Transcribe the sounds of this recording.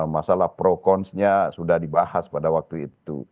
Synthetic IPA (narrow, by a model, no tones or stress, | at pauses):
masalahpɾokɔnsɲasudahdibahaspadawak̚t̪uḭt̪ṵ